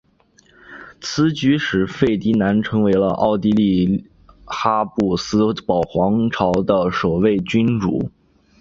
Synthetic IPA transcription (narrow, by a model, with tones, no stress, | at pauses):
t͡sʰɹ̩˥t͡ɕy˧˥ʂɻ̩˧˥fe˥˩ɪt̪i˧˥na˧˥nʈ͡ʂʰɤ˧˥ŋwe˧˥ɪlə̰˧ʔɑ̰˥˩ʊt̪i˥li˥˩ | xa˥pu˥˩sɹ̩˥pɑ˨˩ʊxwɑ˧˥ŋʈ͡ʂʰɑ˧˥ʊd̪ə˧ʂo˨˩ʊwe˥˩ɪt͡ɕy˥nʈ͡ʂṵ˧˩˥